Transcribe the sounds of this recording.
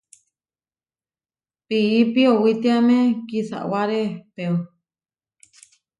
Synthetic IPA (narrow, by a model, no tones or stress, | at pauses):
piːpiowit̪iamẽkisa̰ʔwaɾepeu